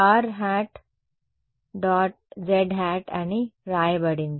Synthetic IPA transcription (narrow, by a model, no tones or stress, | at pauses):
aɾɦæʈ | ɖɔʈ̚d͡ʑeɖɦæʈañiɾajbəɽin